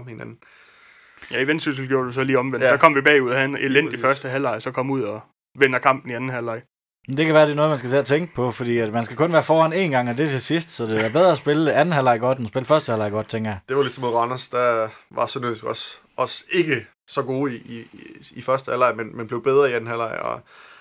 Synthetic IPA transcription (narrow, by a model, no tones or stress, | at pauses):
mhinænn̩ | jæiʋensys̬l̩ɡ̥jo̝ːɐd̥us̬ɒ̽liːɒ̽mʋensɒkʰɒ̽m̰ʋib̥ɛ̰ːuð̰ˠhænʔelen̰d̥ifɶɐsd̥əɦælɑ̈ɪsɒ̽kʰɒ̽muð̰ˠɒ̽ | ʋenɐkʰɑ̈m̰b̥n̩iænn̩ɦælɑ̈ɪ̰ | mnd̥e̝kʰæʋæːɐɾ̥e̝nɔ̽ːðˠmænsɡ̥æt͡sʰe̝æt͡sʰeŋɡ̥əpʰɒ̽fɒd̥ḭːæd̥mænsɡ̥ækʰɔ̽nʋæːɐfɒːæne̝̰ːnɡ̥ɑ̈ŋɒd̥e̝t͡sʰe̝sisd̥sɒ̽d̥e̝æɐbeðˠʁɐːsb̥e̝ləænn̩ɦælɑ̈ɪɡ̥ɒ̽d̥nsb̥e̝ləfɶɐsd̥əhælɑ̈ɪɡ̥ɒ̽d̥t͡sʰeŋ̰ɡ̥ɐjɑd̥e̝ʋɑlisɒmːoðˠʁɑnɐsd̥æʋɑ̈sɒnøð̰ˠisɡ̥ɒs | ɒ̽se̝ɡ̥ə | sɒ̽ɡ̥o̝ːiiifɶɐsd̥əhælɑ̈ɪmenmenb̥le̝ʊb̥eð̞ˠʁɐiæn̩hælɑ̈ɪɒ